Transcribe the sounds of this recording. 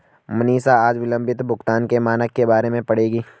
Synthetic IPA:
mɐniːsaaːd͡ʒʋɪlə̃mbɪt̪bʱʊkt̪aːnkemaːnəkːebaːɾemẽpɐɽeːɡiː

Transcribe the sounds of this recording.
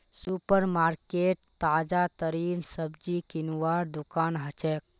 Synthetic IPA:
supəɾmaːɾkeʈ̚t̪aːd͡ʒat̪əɾinsəbd͡ʒikinuʋaːɾd̪ukaːnɦət͡ʃek̚

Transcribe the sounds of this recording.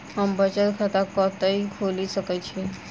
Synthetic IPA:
ɦəmbət͡ʃət̪kʰat̪akɔt̪əikʰolisəkɛt͡ʃʰi

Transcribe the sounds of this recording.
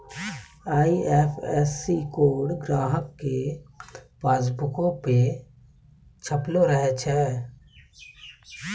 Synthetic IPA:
aːiʔɛːfʰɛːsːikoːɽɡɾaːɦəkːe | baːd͡ʒbʊkõpe | t͡ʃʰəploɾəɦet͡ʃʰɛː

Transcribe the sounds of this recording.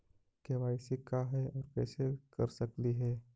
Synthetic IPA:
keʋaːɪsekaɦɛɔːɾkɛːsekɐɾsəkliɦɛː

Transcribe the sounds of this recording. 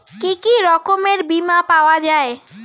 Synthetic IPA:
kikiɾɔkomeɾbimapaoad͡ʑae

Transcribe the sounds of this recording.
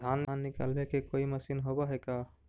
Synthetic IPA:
d̪ʱananːika̰lbekekoiməsinɦobɔɦeka

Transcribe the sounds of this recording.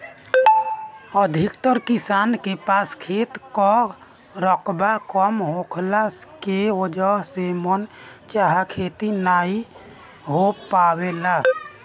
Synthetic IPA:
əd̪ʱikt̪əɾkisaːnkepaːskʰet̪kɔ | ɾəkbakɔmɦokʰlakeod͡ʒəɦsemɔnt͡ʃaɦakʰet̪inaːi | ɦopawela

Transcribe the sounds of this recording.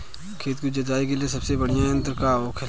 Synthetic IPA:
kʰeːt̪̚kid͡ʒɐd͡ʒaːikeliesɐbsebɐɽijãɦə̃nt̪ɾəkaːokʰɪ

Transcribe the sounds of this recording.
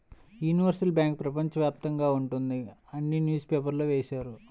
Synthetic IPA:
juːniʋɐɾsɐlbʲjaːŋk̚pɾɐpɐɲt͡ʃɐʋjaːp̚t̪ɐŋɡaːuɳʈund̪iɐnːinjuːspeːp̬ɐɾloʋeːsaːɾu

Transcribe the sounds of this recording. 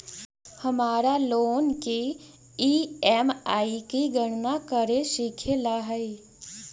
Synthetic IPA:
həmaːɾaloːnke | iːɛmaːikiɡəɽnakəɾeʃikʰelaɦəi

